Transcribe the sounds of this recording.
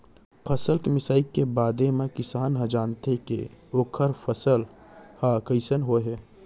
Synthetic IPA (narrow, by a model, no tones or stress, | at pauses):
pʰəsəlkmɪsaːikebaːd̪emẽkɪsaːnɦə̃d͡ʒaːnt̪ekḛoːkʰəɾpʰəsəlhakəɪsənɦoɦɛː